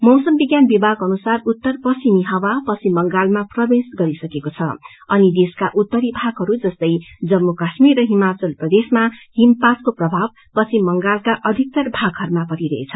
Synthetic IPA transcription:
mʌwsʌmbiɡjanbibaɡʌnusarut̪ːʌrpʌsimiɦʌwapʌt͡sʰimːʌŋɡalmaprʌbesɡʌɾisʌkekot͡sʰʌ | ʌnid̪eskaʔut̪ːʌɾibʱaɡɦʌɾud͡zʌst̪ʌjd͡zʌmːukasmirːʌɦimat͡sʌlprʌd̪esmahimpaskoprʌbʱab̚ | pʌsʰimːʌŋɡalkaʔʌd̪ʱik̚t̪ʌrbʱaɡɦʌɾumapʌɾiɾʌɦḛt͡sʰʌ

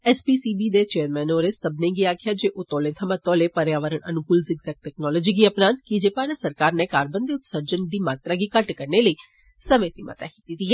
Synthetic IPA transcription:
ɛːspiːsiːbiːd̪eːt͡ʃeːəɾmɛ̃ːnoːɾeːsəbneːɡiaːkʰjaːd͡ʒeːʔoːt̪ɔːlẽːt̪ʰəmãːt̪ɔːleːpəɾjaːʋəɾəɳʔənʊkʊlzɪɡzɛːk̚ʈɛːknɔːlɔd͡ʒiːɡiːəpnaːnkid͡ʒeːpaːɾaːsəɾkaːɾneːkaːɾbənd̪eːʊt̪səɾd͡ʒənd̪iːmaːt̪ɾaːɡiːkəʈkəɾneːləiː | səmẽːsiːmə̰t̪a̰ːki̥ːt̪it̪iːɛː

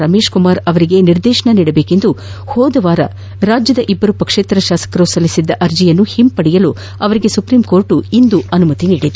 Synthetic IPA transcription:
ɾɐme̞ːʃkumaːɾɐʋɐɾiɡe̞niɾd̪ɛːʃɐɳɐniːɽɐbe̞ːkend̪u | hɔːd̪ɐʋaːɾɐ̰ | ɾaːd͡ʒjɐd̪ɐʔibːɐɾupɐkʂeːt̪ɾɐʃaːsɐ̥kɐɾusɐlːisid̪ːɐʔɐɾd͡ʒijɐnːuhimpɐɽijɐlu | ɐʋɐɾiɡe̞supɾimko̞ːɾʈuind̪uɐnumɐt̪iniːɽid̪u

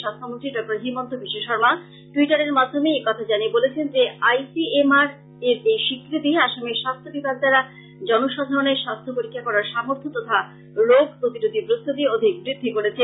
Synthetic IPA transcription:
ʃast̪ʰomont̪ɾiɖɔk̚ʈaɾɦimɔnt̪obiʃeʃɔɾma | ʈuiʈaɾeɾmad̪ʱːomeekɔt̪ʰad͡ʑaniebolet͡ɕʰend͡ʑeajsiemaɾ | eɾejʃikɾit̪iaʃamiʃast̪ʰobikakd̪aɾa | d͡ʑɔnoʃad̪ʱaɾoneɾʃast̪ʰopoɾikʰːakɔɾaɾʃamoɾt̪ʰot̪ɔt̪ʰa | loɡpɾot̪iɾod̪ʱipɾost̪ʰut̪iod̪ʱik̚bɾid̪ʱːikoɾet͡ɕʰe

